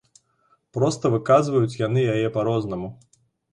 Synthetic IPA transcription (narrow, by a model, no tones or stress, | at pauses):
pɾɔst̪ɐvɨkazvɐjut͡sʲjanɨjajɛpaɾɔznɐmu